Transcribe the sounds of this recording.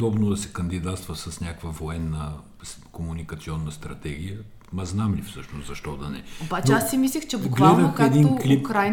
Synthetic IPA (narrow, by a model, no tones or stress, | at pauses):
d̪ɔbnod̪ɐsɛ̥kɐnd̪id̪at̪st̪vɐsɐsnʲakvəvoɛnːə | komunikɐt̪siɔnːəst̪ɾɐt̪ɛɡ̟ijə | mɐznamlifsɤʃnoszɐʃt̪ɔd̪ɐnɛ̰obat͡ʃnɛassimislʲixt͡ʃɛbʊkɡlɛd̪ɐmpkɛd̪inklipkɾaj